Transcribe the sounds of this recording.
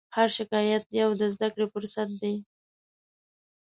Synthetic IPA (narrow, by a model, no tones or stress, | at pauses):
haɾʃɪkɑjat̪̚jawd̪əzd̪akɽefʊɾsat̪̚d̪ej